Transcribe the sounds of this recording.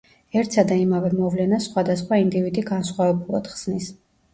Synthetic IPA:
ɛɾt̪ʰsad̪aimavɛmɔvlɛnasχwad̪asχwaind̪ivid̪iɡansχwavɛbulˠa̰d̪̥χz̥nis

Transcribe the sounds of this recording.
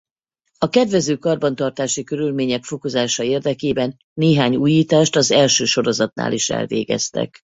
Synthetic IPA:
ɒkɛd̪ʋɛzøːkɒrbɒnt̪ɒrt̪aːʃikø̞ɾylmeːɲɛkfo̞ko̞zaːʃɒeːrd̪ɛkeːbɛnːeːɦaːɲuːjiːt̪aːʃt̪ɒzɛlʃøːʃo̞ɾo̞zɒt̪̚na̰ːlʔiʃɛ̰lvḛːɡɛ̰st̪ɛ̰k

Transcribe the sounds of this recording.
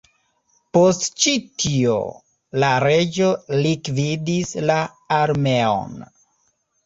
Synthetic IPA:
po̞stt͡ʃitʰio̰ | laɾe̞d͡ʒo̞likvidislaː | ɾme̞o̰n

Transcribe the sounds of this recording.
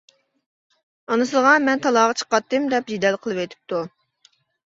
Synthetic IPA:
ɑnɨsɨlˠʁɑmɛnt̪ʰɑlˠɑːʁɑt͡ʃʰə̥qɑt̪ːɨmd̪ɛpd͡ʒid̪ɛlqʰəlˠɨwet̪ʰɪ̥p̚t̪u

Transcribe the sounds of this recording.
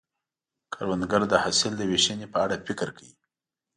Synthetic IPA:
kʰaɾwand̪ɡaɾd̪əhasɪld̪əweʃənepəaɽafɪkɾkawi

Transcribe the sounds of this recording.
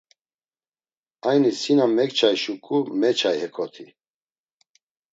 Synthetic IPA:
ajnisinamɛkt͡ʃʰajʃukʼumɛt͡ʃʰajhɛkʰɔt̪ʰi

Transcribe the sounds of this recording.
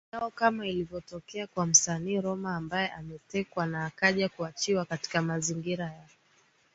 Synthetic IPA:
jaɔkamailivjɔtɔkɛakwam̩saniːɾɔmaːmbajɛʔamɛtɛkwanaːkaʄakuat͡ʃiwakati̥kamaziŋɡiɾajaɔ

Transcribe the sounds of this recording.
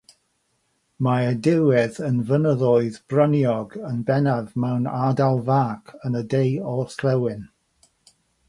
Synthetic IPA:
maədɪwɪðənvənəðɔɨðbrənjɔɡənbɛnavmawnadalˠvaːkʰənədejɔθlɛwɪn

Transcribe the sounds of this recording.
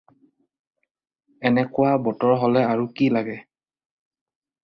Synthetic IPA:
ɛnɛkʊwabɔtɔɹɦɔlɛaɹukilaɡɛ

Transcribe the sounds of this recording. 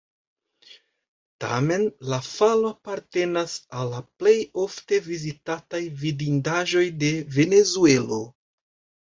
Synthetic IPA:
ta̰me̞nlafaloapaɾte̞nasalːaple̞jo̞fte̞vizitatajvidindaʒo̞jde̞ve̞ne̞zue̞lo̞

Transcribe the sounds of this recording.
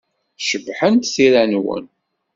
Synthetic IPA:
ʃəbːħənt̪siɾænwə̰n

